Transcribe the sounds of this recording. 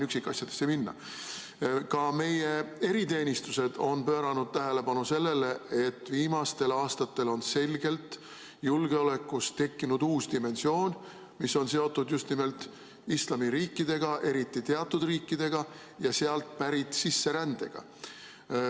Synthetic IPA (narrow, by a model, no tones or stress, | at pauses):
nyksikːˑɑsʲjɑd̪̥e̞̥sːeminːɑ̰ | kɑme̞je̞e̞ɾit̪e̞ːnʲist̪use̞d̪̥o̞npø̞ːɾɑnud̪̥̚t̪æɦe̞le̞pɑnuse̞lːe̞le̞et̪ːˑviːmɑst̪e̞lɑːst̪ɑt̪ːˑe̞lo̞nse̞lʲɡ̥e̞lt̪ | julɡ̥eo̞le̞kˑːust̪e̞kːinud̪uːsd̪̥ime̞nsio̞ːn | miso̞nse̞o̞t̪ːˑud̪just̪nime̞lt̪ | islɑmiɾiːkːˑid̪̥e̞ɡ̥ɑʔe̞ɾit̪ˑːit̪e̞ɑt̪ˑːud̪̥riːkːˑid̪̥e̞ɡ̥ɑ | jɑse̞ɑlt̪pæɾit̪sisːe̞ɾænd̪̥e̞ɡ̥ɑ̰